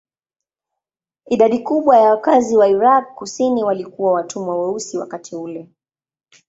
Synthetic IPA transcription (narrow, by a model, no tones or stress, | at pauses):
iɗaɗikuɓwajawakaziwaiɾakːusiniwalikuwawatʰumwawɛusiwa̰katʰiulɛ